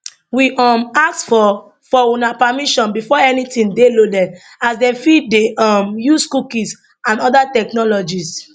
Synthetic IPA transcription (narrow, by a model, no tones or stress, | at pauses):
wiʔɔmaktfɔ | fɔunapamiʃɔ̃nbifɔɛnitĩndelodɛn | asdɛfid̚deɔmjuskukĩs | ãnɔdatɛknɔlɔd͡ʒis